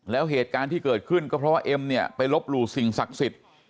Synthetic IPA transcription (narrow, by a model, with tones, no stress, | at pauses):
lɛː˦˥wɦeː˨˩t̪̚kaː˧nt̪ʰiː˥˩kɤː˨˩t̪̚kʰɯ˥˩nkɔː˥˩pʰɾɔ˦˥waː˥˩ʔe˧mni˥˩ɐpa˧jlo˦˥p̚ɾuː˧˩si˨˩ŋsa˨˩k̚si˨˩t̪̚